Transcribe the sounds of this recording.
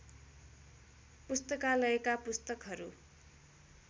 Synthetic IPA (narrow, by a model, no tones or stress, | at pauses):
pust̪ʌkalʌekapust̪ʌkɦʌɾu